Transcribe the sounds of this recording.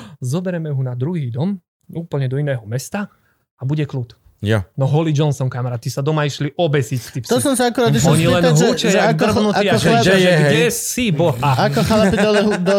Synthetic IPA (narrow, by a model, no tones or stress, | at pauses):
zɔbɛɾɛmɛɦunad̪ɾuɦiːd̪ɔm | uːpl̩ɲɛd̪ɔinɛːɦɔmɛst̪a | abuɟɛklut̪ | janɔɦɔlid͡ʒɔnsɔŋkamaɾaːt̪isad̪ɔmaiʃliʔɔbɛsiːt͡st̪ipst̪ɔsɔmsiakuɾad̪iɔɲilɛnɦut͡ʃɛadrbnuiaaɛʒɛɡɛsibɔɦaakɔxalaid̪ɔɦd̪